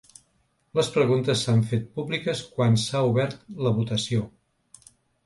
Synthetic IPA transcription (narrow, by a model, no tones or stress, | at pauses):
ləspɾəɣunt̪əsːaɱfet̪̚publikəskwansauβɛɾt̪ləβut̪əsio